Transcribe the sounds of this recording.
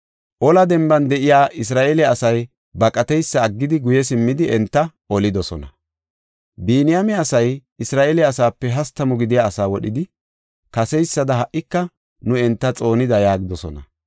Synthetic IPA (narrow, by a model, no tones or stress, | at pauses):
ʔɔlɐd̪ɛmbɐnd̪ɛʔɪjaːʔɪs̬ɾaːʔelɛɐsɐj | bɐkʼɐt̪ɛjsːɐːɡːɪd̪ɪɡʊjɛs̬ɪmːɪd̪ɪʔɛnt̪ːɐʔɔlɪd̪ɔsɔnɐ | biːnɪjamɛɐsɐjɪsɾaːʔeːlɛɐsaːpːɛɦɐst̪ːɐmʊɡɪd̪ɪjaːsaːwɔɗɪd̪ɪ | kɐsɛjsːɐd̪ɐɦɐʔːɪkːɐ | nʊɛnt̪ːɐt͡sʼo̞ːnɪd̪ɐjaːɡɪd̪ɔsɔ̰nɐ̰